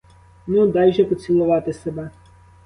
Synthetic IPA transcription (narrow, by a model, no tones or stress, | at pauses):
nud̪ɑjʒɛpɔt͡sʲilˠʊʋɑt̪ɪsɛbɛ